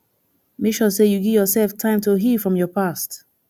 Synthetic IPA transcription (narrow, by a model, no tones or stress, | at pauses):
miʃɔsejuɡivjɔsɛlftʰãɪ̃mtʰoɦifɹɔ̃mjɔpʰast